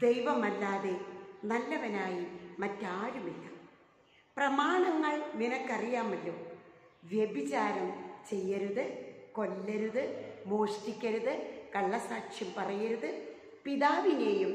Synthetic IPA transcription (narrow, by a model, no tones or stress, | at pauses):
d̪e̞jʋɐmɐlːaːðe̞nɐlːɐʋɐnaːjimɐtːaːɾumilːɐ | prɐmaːɳɐŋːɐɭninɐkːɐrijaːmɐlːo̞ːʋjebit͡ɕaːɾɐmt͡ɕe̞jːɐɾuðɨko̞lːɐɾuðɨmo̞ːʂʈikʲːɐɾuðɨkɐɭːɐsaːkʂjɐmpɐrɐjɐɾuðɨ | piðaːʋineːjum